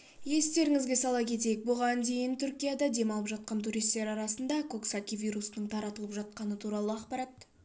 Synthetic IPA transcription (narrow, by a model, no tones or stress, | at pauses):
je̞st̪e̞ɾɪŋɪzɡʲe̞sɑlˠɑkʲʰe̞t̪̬e̞jɪk̚bo̞ʁɑnd̪e̞jɪnt̪ʰʏɾkʲijad̪ɑd̪e̞mɑlˠəpʒɑt̪̚qɑnt̪ʰuɾijst̪ːe̞ɾɑɾɑsənd̪ɑkʰo̞ksakʲijvʲijɾusənəɴt̪ʰɑɾɑt̪əlˠəpʒɑt̪̚qɑnət̪ʰuɾɑlˠəɑqpɑɾɑt̪